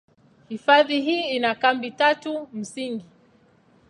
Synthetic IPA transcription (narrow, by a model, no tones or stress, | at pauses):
hifaðiɦiːinakambitatum̩siŋɡi